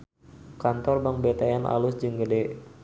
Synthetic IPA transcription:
kant̪ɔrbaŋbet̪aɛnʔa̰lʊsd͡ʒɨŋɡədɛ

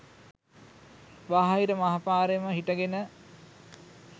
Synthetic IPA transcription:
ʋaɦaiɾəmɐɦapaːɾeməɦiʈəɡenə

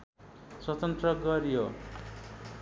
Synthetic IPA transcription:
swʌt̪ʌnt̪rʌɡʌɾijo

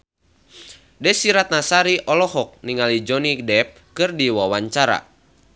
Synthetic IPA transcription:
dɛsiɾat̪̚nasaɾiʔɔlɔhɔk̚niŋalid͡ʒɔnidɛp̚kɨrdiwawaɲt͡ʃaɾa̰

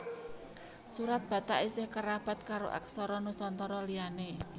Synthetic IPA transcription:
suɾat̪̚b̥ä̤t̪aʔisɪhkəɾab̥a̤t̪̚kaɾo̰ʔa̰ksɔɾɔnusɔnt̪ɔɾɔliane

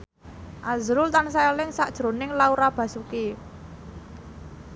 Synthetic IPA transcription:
ʔazɾʊlt̪ansaelɪŋsaʔd̥ʒ̥ɾonɪŋlauɾab̥ä̤suki

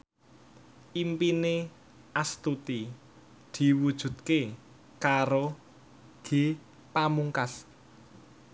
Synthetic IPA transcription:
ʔimpine | ʔast̪ut̪i | d̪̥i̤wud̥ʒ̥ṳt̪̚ke | kaɾo | ɡ̥e̤ | pamuŋkas

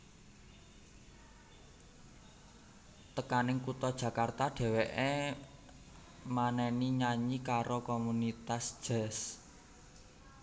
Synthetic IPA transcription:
t̪əkanɪŋkut̪ɔd̥ʒ̥ä̤kart̪aɖ̥e̤weʔe | manɛniɲaɲikaɾokomunit̪asʒ̥ɛ̤s

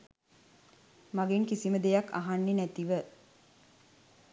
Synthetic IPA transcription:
maɡeŋkisiməd̪ejakːa̰ɦanːenæt̪iʋə

